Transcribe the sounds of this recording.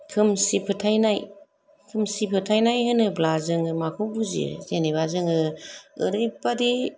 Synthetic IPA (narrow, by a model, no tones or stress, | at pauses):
kʰɯmsipʰɯtʰajnaj | kʰɯmsipʰɯtʰajnajɦɯnɯblazɯŋɯmakʰɔbuzḭzenibazɯŋɯɯɾɯpadi